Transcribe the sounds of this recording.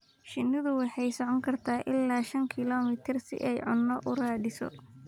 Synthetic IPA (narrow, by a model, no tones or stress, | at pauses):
ʃɪnːɪðʊwɑħɑjsɔʕɔŋkʰɐrt̪ʰaːʔɪlːaːʃɐŋkʰɪlɔːmɪt̪ʰɪrsɪ̰ʔɛjʕʊnːɔʔʊraːdɪsɔ̰